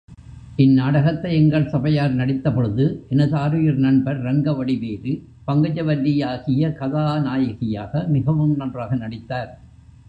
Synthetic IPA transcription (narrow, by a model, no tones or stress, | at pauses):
ʔɪnːaːɽɐɣɐt̪ːɐɪɛŋɡɐɭsɐbɐjaːɾnɐɽɪt̪ːɐpɔɻɯðɯʔɛnɐðɯaːɾɯjɪɾnɐɳbɐɾːɐŋɡɐʋɐɽɪʋeːɾɯ | pɐŋɡɐd͡ʒɐʋɐlːɪjaːɣɪjɐkɐðaːnaːjɐɣɪjaːɣɐmɪɣɐʋɯmnɐndraːɣɐnɐɽɪt̪ːaːɾ